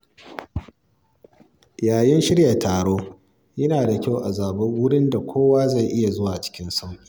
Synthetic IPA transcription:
jaː˨jɪ˦nʃɪ˦ɽja˨tʰaː˨ɽoː˦ | jɐ˦naː˨da˨kʲa˦˨wʔa˨zaː˨bɐ˦ŋwʊ˦ɽɪ˦nda˨kʷoː˦waː˦za˦˨jʔɪ˦ja˨zʊ˦waː˨t͡ʃɪ̥˦kʲɪ˦nsa˦wʔʲiː˨

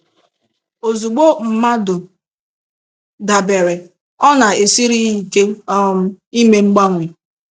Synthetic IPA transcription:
o˨zu˨ɡ͡bo˦m̩˨ma˦dʊ˨ | da˨be˨ɾe˨ | ɔ˦na˨e˨si˦ɾi˦i˨ke˦ | i˦me˨ŋ͡m̩˦ɡ͡ba˦ŋʷi˨

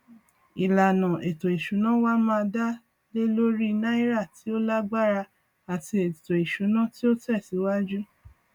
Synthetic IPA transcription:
i˨la˨nã˨ʔe˨to˨i˨ʃu˨˦nã˦wa˦mãː˧da˦ | le˦lo˦ɾi˦nã˦i˦ɾa˦˨ti˨˦o˦la˦ɡ͡ba˦ɾa˧ | a˨ti˧e˨to˨i˨ʃu˨˦nã˦ti˦o˦tɛ˦˨si˨˦wa˦d͡ʒu˦

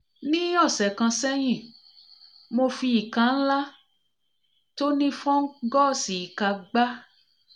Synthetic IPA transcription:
nĩ˦ɔ˦˨sɛ˨kã˧sɛ˦j̃ĩ˦˨ | mo˧fi˧i˨kã˨˧n̩˦la˦ | to˦nĩ˦fɔ̃˦ŋ̩˦ɡɔ˦˨si˨i˨ka˨˧ɡ͡ba˦

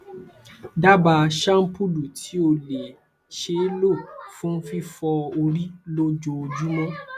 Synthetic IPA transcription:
da˦ba˧ʃã˦m̩˦pu˦du˨tʰi˨˦o˧le˨ | ʃe˨˦lo˦˨fũ˦fi˦fɔ˧o˧ɾi˦lo˦d͡ʒo˧d͡ʒu˦mɔ̃˦

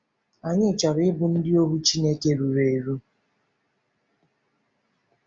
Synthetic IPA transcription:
a˨ɲɪ˦˨t͡ʃɔ˨ɾɪ˨˦ɪ˦bʊ˨n̩˦dɪ˦o˦bu˦t͡ʃi˦ne˦ke˦ɾu˨ɾe˨e˨ɾu˦

